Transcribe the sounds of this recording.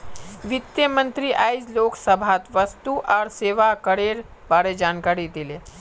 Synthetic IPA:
ʋɪt̪jəmə̃nt̪ɾiʔaːɪd͡ʒloːkʰsəbʱaːt̪ʋəst̪uʔɔːɾseːʋakəɾeːɾ | baːɾed͡ʒaːnkaːɾid̪ile

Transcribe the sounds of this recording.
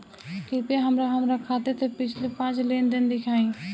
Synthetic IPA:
kɪpaɦəmɾaɦɐmɾakʰaːt̪et̪ʰepɪt͡ʃʰlepãːt͡ʃd̪end̪ɪnd̪ɪkʰaːĩː

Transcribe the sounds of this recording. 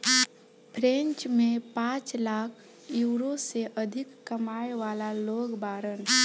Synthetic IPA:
pʰɾẽnt͡ʃmẽpãt͡ʃlakʰ | juːɾoseʔəd̪ʱɪkːəmaeʋalaloɡbaɾən

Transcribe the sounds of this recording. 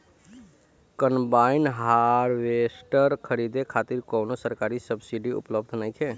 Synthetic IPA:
kənbaɪnɦaɾʋesʈəɾkʰəɾid̪ekʰaːt̪iɾkoːnosəɾkaːɾisəbsiɖiṵpləbd̪ʱnəĩkʰeː

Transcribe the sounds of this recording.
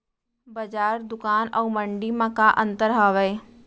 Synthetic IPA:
bɐd͡ʒaːɾd̪ʊkaːnaːməɳɖimãkaʔə̃nt̪əɾɦaːʋəe

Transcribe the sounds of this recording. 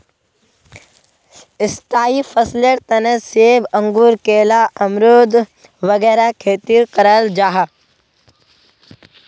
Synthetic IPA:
ɪst̪aːifʰɐsleɾt̪ɐnəseːbɐ̃ŋɡuːɾkeːlaʔɐmɾoːd̪ | ʋɐɡɛːɾakʰeːt̪iːɾqɐɾald͡ʒaːɦa

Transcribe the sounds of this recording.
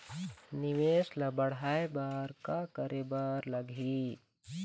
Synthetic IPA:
nɪʋeːsləbəɽaːebaːɾkakəɾebəɾləɡʱiː

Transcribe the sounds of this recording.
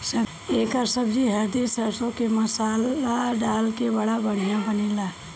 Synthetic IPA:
sɐ | eːkasəbd͡ʒiɦəd̪isəsõkemɐsaːlaɖaːlkebɐɽabəɽ̤ijãbənilaː

